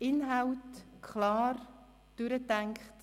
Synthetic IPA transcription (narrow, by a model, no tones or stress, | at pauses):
ɪnɦawtkʰχlɑːr | d̥ʉɾətæŋkχt